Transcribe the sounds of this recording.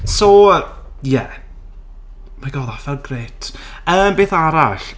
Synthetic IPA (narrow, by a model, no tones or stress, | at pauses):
soə | jɛ | majɡɔðafvɛlˠɡreːtʰ | əːmbeːθaɾaɬ